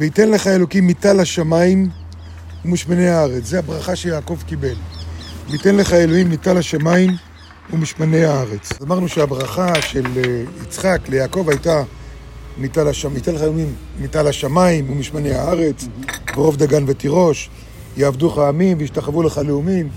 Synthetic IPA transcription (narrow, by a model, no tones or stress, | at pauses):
veite̞nle̞χae̞lo̞kimːitalaʃamajim | umiʃmaneaaʁe̞t͡szeabʁaχaʃejaːko̞vkibe̞lvitenleχae̞loimːitalhaʃamaim | umiʃmane̞jaaʁe̞t͡sazmaʁnuʃeabʁaχaʃe̞lit͡sχakle̞jaːko̞vajta | mitalaʃamit̪enleχaeloimː | italaʃamaimumiʃmane̞jaaʁe̞t͡sveʁo̞vd̪aɡanvetiʁo̞ʃ | jeavduχaːmimveiʃtaχevuleχaleumim